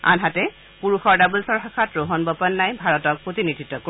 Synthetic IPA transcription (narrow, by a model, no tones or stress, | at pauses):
a̰nɦatɛ | puɹuxɔɹdabulsɔɹɦakʰatɹoɦɔnbɔpɔnːajbʱaɹɔtɔk̚pɹotinidʱitːɔko